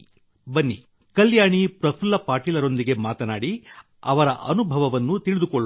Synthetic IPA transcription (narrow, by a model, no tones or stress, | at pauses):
bɐnːḭ | kɐljaːɳipɾɐpʰulːɐpaːɾʈiːlɐɾo̞nd̪iɡe̞maːt̪ɐnaːɽi | ɐʋɐɾɐʔɐnubʱɐʋɐʋɐnːut̪iɭid̪ukɔɭː